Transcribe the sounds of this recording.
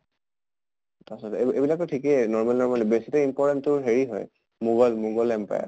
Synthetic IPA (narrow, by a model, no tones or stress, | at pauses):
tasɔteebilak̚tɔtʰikɛnɔɹmalnɔɹmalɛbesitɛimpɔɹtɛnʊɹɦeɹiɦɔ̰j | muɡɔlmuɡɔlɛmpa̰jɛ̰